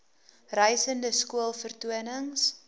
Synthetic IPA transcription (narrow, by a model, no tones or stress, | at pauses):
rœjsəndəskuəlˠfərtuənəŋs